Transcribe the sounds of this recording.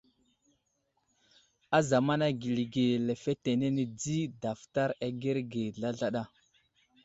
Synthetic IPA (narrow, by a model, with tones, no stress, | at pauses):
a˦za˨ma˦na˦ɡi˨li˨ɡe˨le˨fe˦te˨ne˦ne˨d͡zi˦da˨fta˦ɾa˨ɡe˦ɾɡe˨ɮa˦ɮa˦ɗa˦˨